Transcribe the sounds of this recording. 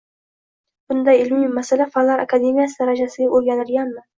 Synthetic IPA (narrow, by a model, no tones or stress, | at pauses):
b̥ʊnd̪ajɪlmimːasalafalaɾa̰kʰad̪e̞mijasɪd̪aɾad͡ʒasɪɡʲaʔoɾɡʲanɪɾɡʲanmɪ